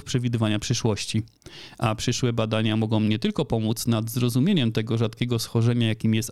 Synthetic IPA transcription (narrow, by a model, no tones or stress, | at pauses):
fpʂɛvʲid̪ɘvaɲapʂɘʂwɔɕt͡ɕi | ʔapʂɘʂwɛbad̪aɲamɔɡɔ̃w̃ɲɛt̪ɘlkɔpɔmut̪snad̪zɾɔzumʲjeɲɛmt̪ɛɡɔʐat̪kʲɛɡɔsxɔʐɛɲajakʲimʲjɛst̪